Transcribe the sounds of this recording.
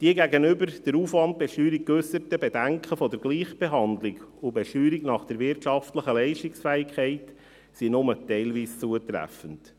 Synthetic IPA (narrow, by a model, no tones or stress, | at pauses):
d̥iəɡæɡənʏbəɾd̥əɾuːfʋɑnd̚b̥ɛʃyːɾik̚kːøsətəbedæŋkχəfɔdəɾɡliːχb̥eɦɑndlɪkʊbɛʃyːɾiɡnɑχd̥əɾvɪɾtʃɑftləχəlɛɪʃtiksfɛɪkχɛɪt | sinʊmətɛɪlviːst͡suətɾæ̰fənt